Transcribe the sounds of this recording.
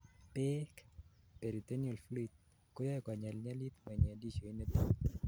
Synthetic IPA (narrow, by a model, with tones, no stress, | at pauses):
pɛ˦k | pe˨ɾi˨t̪e˦nio˨lfli˦t̪̚ | ko˦jɔ˦ɛka˨ɲa˨lɲa˦li˦t̪ma˨ɲ˨a˨di˦t͡ʃo˨i˦ne˦t̪i˦